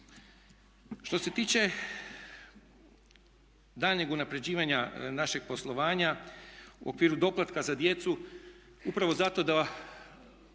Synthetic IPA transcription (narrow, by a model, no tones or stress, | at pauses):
ʃt̪o̞se̞t̪iːt͡ʃe̞ | d̪aːlɲeɡunapɾe̞d͡ʑiːʋaɲanaʃeɡ̥̚po̞slˠo̞ʋaːɲaṵʔo̞̰kʋiːɾud̪o̞plˠat̪kazad̪je̞t̪su | upɾaʋo̞zat̪o̞d̪a